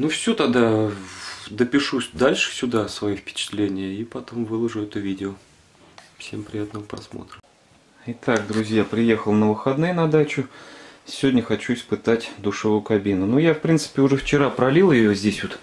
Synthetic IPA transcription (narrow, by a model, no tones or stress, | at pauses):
nufsʲot̪ɐd̪a | d̪əpʲɪʂud̪alʲʂɨ̥sʲʊd̪asvɐjifpʲɪ̥t͡ɕɪ̥t̪lʲenʲɪjəipɐt̪omvɨlˠəʐʊɛt̪əvʲidʲɪo | fsʲempɾʲɪjat̪nəvəpɾɐsmo̰t̪ɾə | ɪt̪akd̪ɾʊzʲjapɾʲɪjexəlˠnəvɨxɐd̪nɨjnɐd̪at͡ɕʊsʲɪvʲodʲnʲəxɐt͡ɕuɪspɨt̪atʲd̪ʊʂɨvʊjʊkɐbʲinːʊnujafpɾʲint̪sɨ̥pʲɪʊʐɛft͡ɕɪɾapɾɐlʲilˠjɪjozʲdʲesʲʋot̪